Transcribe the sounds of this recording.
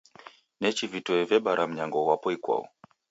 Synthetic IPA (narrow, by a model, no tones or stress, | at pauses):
nɛt͡ʃivitɔɛvɛɓaɾʔam̩ɲaŋɡɔwapɔikwa̰ɔ̰